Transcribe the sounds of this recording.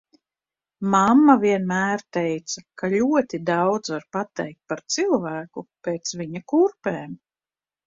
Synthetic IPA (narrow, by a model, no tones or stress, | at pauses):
mamːaviɛnmæːɾt̪ɛjt̪sakaʎʲuɔt̪id̪ɑwd̪zvaɾpat̪ɛjk̚t̪̚paɾt̪silˠvæːkupeːt̪sviɲakuɾpɛːm